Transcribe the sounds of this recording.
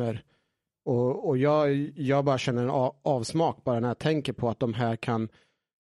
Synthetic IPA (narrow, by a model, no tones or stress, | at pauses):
əɾ | ɔɔjɑːɡjɑːɡ̚bɑːɾaɕɛnːəɾɛnɑːvsmɑːk̚bɑːɾanæɾjat̪ʰɛŋkəɾpʰɔat̪̚d̪ɔmɦæːɾkʰan